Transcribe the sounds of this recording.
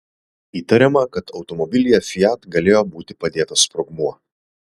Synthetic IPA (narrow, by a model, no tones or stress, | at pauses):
iːt̪ɐɾʲɛmɐkɐt̪ʰɒʊt̪ɔmɔbʲɪlʲɪjɛfʲɪjæt̪ɡɐlʲeːjoːbuːt̪ʲɪpɐd̪ʲeːt̪ɐspɾɔɡmuɔ